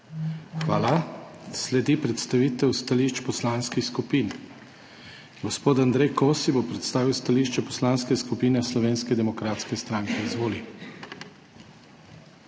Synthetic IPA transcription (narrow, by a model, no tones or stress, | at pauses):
xʋaːla | slɛd̪ipɾɛt̪st̪aʋiːt̪ɛwst̪aliʃt͡ʃpɔslanskixskupiːn | ɡɔspoːt̪and̪ɾɛjkoːsibopɾɛt̪st̪aːʋiwst̪aliʃt͡ʃɛpɔslaːnskɛskupiːnɛslɔʋeːnskɛd̪ɛmɔkɾat̪skɛst̪ɾaŋkɛizʋoːli